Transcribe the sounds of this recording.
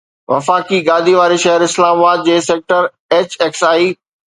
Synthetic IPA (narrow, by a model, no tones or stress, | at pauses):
ʋɐ̰faːkiɡaːd̪ʱiʋaːɾiʃɐɦəɾɪslaːmabaːd̪̚d͡ʑeːseːk̚ʈəɾ | eːt͡ɕeːksaːi